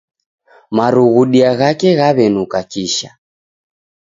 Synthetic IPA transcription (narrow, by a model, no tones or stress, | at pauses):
maɾuɣuɗiaɣakɛɣaβɛnukakiʃa